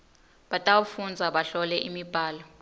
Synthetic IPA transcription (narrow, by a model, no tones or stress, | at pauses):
ɓatʼawufund͡zʱaɓaɬɔlɛʔimib̥ʱaːlɔ